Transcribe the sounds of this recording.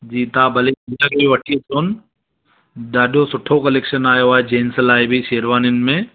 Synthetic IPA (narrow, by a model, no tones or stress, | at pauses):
d͡ʒiːt̪aːbʱɐlebijakebiʋɐʈʰiet͡ʃoːn | daːɖosʊʈʰːokɐlekʃənaːjoʋaːed͡ʒeːnsəlaːebʱiseːɾʋaːnɪnmẽ